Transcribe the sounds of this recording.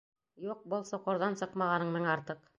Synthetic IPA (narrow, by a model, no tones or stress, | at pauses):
juq̚bɤlˠsŏqŏɾðɑnsɤqmɑʁɑnɤɴmɘŋɑɾt̪ɤq